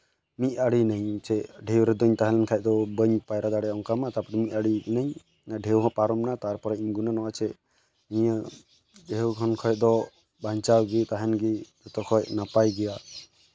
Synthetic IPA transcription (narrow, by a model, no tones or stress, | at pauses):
mit̪̚ˀaɽinəjt͡ʃɛɖʱewɾɛd̪ɔɲt̪aɦɛ̃lɛnkʰaj̚d̪ɔbəɲpajɾad̪aɽɛɔŋkamat̪apɔɾmiʔ̪aɽinaɲ | naɖʱewɦɔ̃paɾɔmnat̪aɾpɔɾɛiɲɡunanɔwat͡ʃɛ | iɲə | ɖewkʰɔnkʰɔj̚d̪ɔ | baɲt͡ʃawɡit̪aɦɛnɡid͡ʒɔt̪ɔkʰɔjʔnapajɡɛja